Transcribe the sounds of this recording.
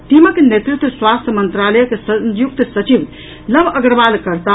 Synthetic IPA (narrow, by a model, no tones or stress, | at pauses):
ʈ̪iməkenet̪ɾikt̪wəswast̪ʰjəmənt̪ɾaləjkesəjuk̚t̪sət͡ʃiʋ | ləbʱəɡɾəbalkəɾt̪a